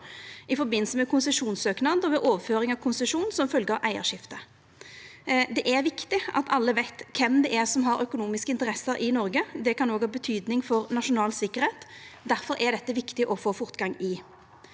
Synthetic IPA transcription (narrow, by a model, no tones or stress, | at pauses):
ɪfɔɾbɪnːsəmɛkʰʊnsɛʂuːnsøːknɑnd̪ɔʋɛʔoːʋəføːɾɪŋɑʋkʰʊnsɛʂuːnsɔmfœlɡəəʔæɪə̰ɾʂɪft̪ə | d̪ɛʔɛɾʋɪkt̪ɪʔɑ̰t̪ɑlːəʋæɪt̪kʰɛmd̪ɛʔɛʁsɔmɦɑɾœkʊnuːmɪskəɪnt̪əʁɛsːəɾʔɪnɔɾɡəd̪ɛkɑnoːɡhɑːbət̪ʰyːd̪nɪŋfɔʁnɑʂʊnɑːlsɪkːəʁheːt̪d̪æɾfɔɾʔæd̪ɛt̪ːəʋɪkt̪ɪʔɔfoːfʊʁt̪ɡɑŋɪ